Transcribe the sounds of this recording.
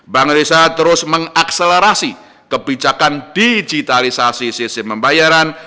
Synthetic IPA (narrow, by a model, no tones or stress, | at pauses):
baŋɾisat̪əɾʊsməŋakseleɾasi | kəbid͡ʒakand̥id͡ʒit̪alisasisisɪməmbajaɾan